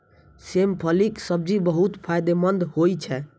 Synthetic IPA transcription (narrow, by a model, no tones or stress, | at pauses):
sempʰəliksəb̚d͡ʒibəɦut̪pʰajd̪emənd̪hojt͡ʃʰɛ